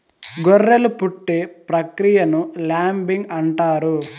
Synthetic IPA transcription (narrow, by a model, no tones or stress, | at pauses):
ɡorːelupuʈːepɾɐkɾijɐnulaːmbiŋɡɐɳʈaːɾu